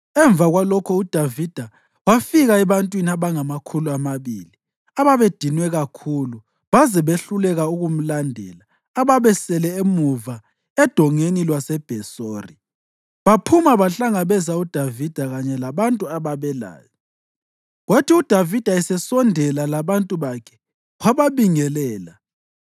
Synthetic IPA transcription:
ɛɱb̪vʱaɣwalɔkʰɔud̥ʱavid̥ʱa | wafiɣaɛβantʼwiniaβaŋamakʰuluamaβḭːli | aβaβed̥ʱinwɛɣakʰulu | βazɛβeɬulɛɣauɣum̩landʱɛ̰laː | βaβɛsɛlɛemuva | ɛd̥ʱɔŋenilwasɛb̥ʱɛsoːri | βapʰumaβaɬaŋaβɛzaud̥ʱavid̥ʱaɣaɲɛlaβantʼuaβaβɛla̰ːjɔ | ɣwatʰiud̥ʱavid̥ʱaɛsɛsɔndʱɛlalaβantʼuβakʰɛ̥ | ɣaβaβiŋɛlɛːla

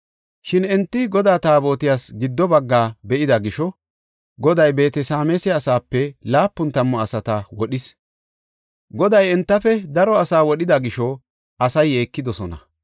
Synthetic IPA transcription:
ʃɪnɛnt̪ːɪɡɔd̪aːt̪aːbo̞ːt̪ɪjaːsɡɪd̪ːɔbɐɡːaːbɛʔɪd̪ɐɡɪʃɔ | ɡɔd̪ɐjbe̞ːt̪ɛsaːmesɪɐsaːpːɛlaːpːʊnt̪ɐmːɔɐsɐt̪ɐwɔɗɪs | ɡɔd̪ɐjɛnt̪ːɐfɛd̪ɐɾɔɐsaːwɔɗɪd̪ɐɡɪʃɔ | ɐsɐje̞ːkːɪd̪ɔsɔnɐ

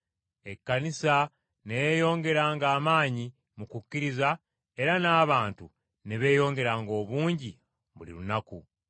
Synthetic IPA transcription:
e̞kːanisa | nejo̞ːŋɡe̞ɾaːŋɡaːmaːɲi | mukucːiɾiza | e̞ɾanaːβaːntṵ | neβe̞ːjo̞ːŋɡe̞ɾaːŋɡo̞ːβuːɲɟi | βulḭlunaku

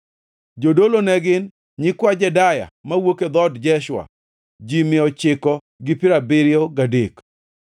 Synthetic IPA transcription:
d͡ʒodolonɛɡɪn | ɲɪkwad͡ʒɛdaja̰mawoked̪ɔdd͡ʒɛʃwa̰ | d͡ʒimɪɔt͡ʃɪkɔ | ɡɪpɪɾabɪɾjɔɡadek

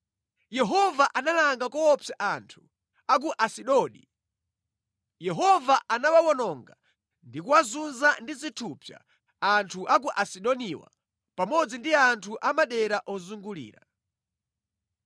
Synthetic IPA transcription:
jɛɦɔvaʔanalaŋɡakɔɔpjaʔantʰu̥ | ak̬uʔasiɗɔɗḭ | jɛɦɔvaʔanawawɔnɔŋɡa | ndikuwazunzandizitʰupja̰ | antʰuʔak̬uʔasiɗɔniwa̰ | pamɔd͡zindiantʰuʔamaɗɛɾaʔɔzuŋɡulḭːɾa

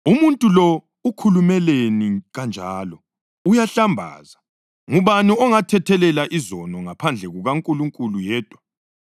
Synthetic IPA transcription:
umuntʼulɔ | ukʰulumɛleniɣand͡ʒʱaːlɔ | ujaɬambʱa̰ːza | ŋuβaniɔŋatʰɛtʰɛlɛlaʔizɔnɔŋapʰand͡ɮʱɛɣuɣaŋkʼuluŋkʼulujɛːd̥ʱwa

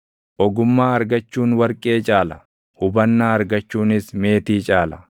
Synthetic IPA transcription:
ʔɔɡʊmːaːɐɾɡɐt͡ʃːuːnwɐɾkʼe̞ːt͡ʃʼaːlɐ | hʊbɐnːaːɐɾɡɐt͡ʃːuːnɪsme̞ːt̪iːt͡ʃʼaːlɐ̥

